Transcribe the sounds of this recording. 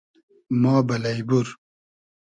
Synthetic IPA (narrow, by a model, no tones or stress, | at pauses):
mɑːbɐlajbuɾ